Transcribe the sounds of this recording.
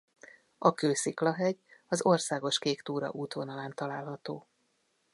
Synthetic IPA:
ɒkøːsiklɒɦɛɟɒzo̞rsaːɡo̞ʃkeːkt̪uːɾɒ̰ʔuːt̪ʋonɒlaːnt̪ɒlaːlɦɒt̪oː

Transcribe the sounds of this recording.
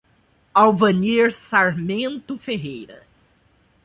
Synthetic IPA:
awvɐniɾsaɾmẽnt̪ʊfeɦejɾɐ̰

